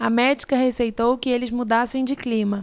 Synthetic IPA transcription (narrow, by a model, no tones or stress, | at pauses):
ɐmɛd͡ʒikɐhesejt̪owkɪelɪzmud̪asẽj̃d͡ʒɪklĩmɐ